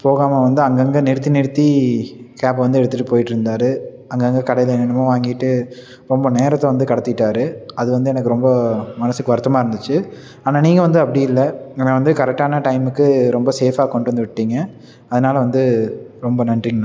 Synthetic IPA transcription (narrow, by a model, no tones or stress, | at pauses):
poːɣaːmaʋɐnd̪ɯɐŋɡɐŋɡenɪɽɯt̪ːinɪɾɯt̪ːikaːp̬ɐʋɐnd̪ɯɛɽɯt̪ːɯʈːɯpoːjɪʈːɪɾɯnd̪aːɾɯ | ɐŋɡɐŋɡɐkɐɽɐjɐlɐnɐnɐmɐ̃ʋaːŋɡɪʈːɯ | ɾɔmbɐneːɾɐt̪ːɐ̃ʋɐnd̪ɯkɐɽɐt̪ːɪɪʈːaːɾɯɐðɯʋɐnd̪ɯɛnɐk̬ːɯɾɔmbɐmɐnɐsɯkːɯʋɐɾɯt̪ːɐmaːɪɾɯnd̪ɯt͡ʃːɯ | aːnaːniːŋɡɐʋɐnd̪ɯɐpːɐɽɪjɪlːɐɡɐnːʋɐnd̪ɯkɐɾɛk̚ʈːaːnɐʈɐɪmɯkːɯɾɔmbɐseːfaːkɔɳɖɯʋɐnd̪ɯʋɪʈːiːŋɡɐ | ɐðɐnaːlɐʋɐnd̪ɯɾɔmbɐnɐɳɖriŋɡɐnʊ̃